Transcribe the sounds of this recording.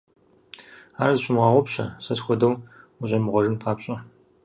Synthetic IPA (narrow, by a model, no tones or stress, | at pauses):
aːrɐzɨɕʊmʁɑːʁʷɔpɕɐ̰sɐsxʷɔdɐwuɕʼɐmɨʁʷɔrɨnpʰaːpɕʼɐ